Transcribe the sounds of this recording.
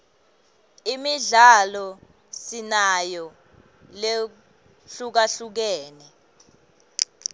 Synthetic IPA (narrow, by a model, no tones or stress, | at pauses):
imiɮalɔ | sinajɔ | le | ɬuk̬aɬuk̬ɛːnɛ